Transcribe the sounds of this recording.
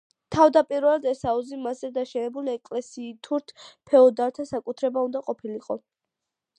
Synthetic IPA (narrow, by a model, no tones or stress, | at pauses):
t̪ʰavd̪apʼiɾlˠad̪ɛsauzimazɛd̪aʃɛnɛbuliɛkʼlɛsiːt̪ʰuɾt̪ʰpʰɛɔd̪aɾt̪ʰasakʼut̪ʰɾɛbaund̪aqʼɔpʰiliqʼɔ